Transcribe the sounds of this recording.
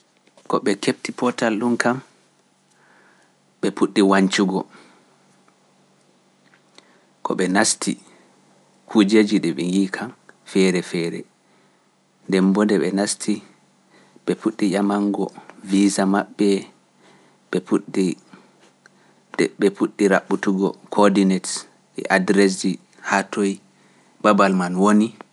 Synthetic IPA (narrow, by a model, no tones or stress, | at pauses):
kɔɓɛkep̚tipɔtalɗunkam | ɓɛpuɗːiwaɲt͡ʃuɡɔ | kʰɔ̰ɓɛnastʰi | kʰud͡ʒed͡ʒiɗɛɓɛŋiːkʰamfɛɾɛfɛːɾɛ̰ | ndɛmbɔndɛɓɛnastʰi | ɓɛpuɗːijamaŋɡɔvizamaɓːɛ | ɓɛpuɗi | dɛɓɛpuɗːiɾaɓːutuɡɔ̰kʰɔdinets | ɛ̰ʔadɾɛs̬d͡ʒi | hatoj | babalmanwoni